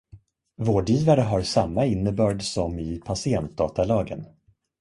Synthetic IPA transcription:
voːɖjiːvaɾəɦaɾsamːaɪnːəbœːɖsɔmɪpʰasɪɛnt̪̚d̪ɑːt̪alɑːɡə̰n

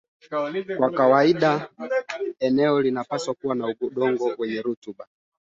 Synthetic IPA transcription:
kwakawaiɗa | ɛnɛɔlinapaswakuwanauɓuɗɔŋɡɔwɛɲɛɾutuɓa

